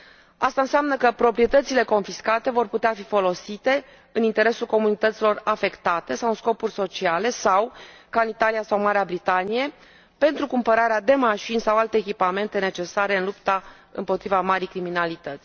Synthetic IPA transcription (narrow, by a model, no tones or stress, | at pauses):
ast̪aɨnseamnəkəpɾo̞pɾije̞t̪ət̪sile̞ko̞nfiskat̪e̞vo̞rput̪eafifo̞lo̞sit̪e̞ | ɨnint̪e̞ɾe̞sulko̞munit̪ət̪silo̞rafe̞kt̪at̪e̞sawɨnsko̞purʲso̞t͡ʃiale̞sawkanit̪alijasawmaɾeabɾit̪anije̞ | pe̞nt̪ɾukumpəɾaɾead̪e̞maʃinʲsawalt̪e̞ːkʲipame̞nt̪e̞ne̞t͡ʃe̞saɾe̞ɨnlupt̪a | ɨ̰mpo̞t̪ɾivamaɾijkɾiminalit̪ət̪sʲ